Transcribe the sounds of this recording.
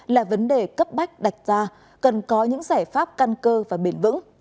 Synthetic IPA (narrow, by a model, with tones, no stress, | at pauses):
laː˨˩və˨˦nɗe˨˩kə˦˥p̚ɓa˦˥jk̟̚ɗa˨˩jk̟̚zaː˧ | kə˨˩nkɔ˨˦ɲɨ̰˧˥ŋzaː˧˩jfaː˦˥p̚ka˧nkəː˧vaː˨˩ɓi˧˩nvɨ̰˧˥ŋ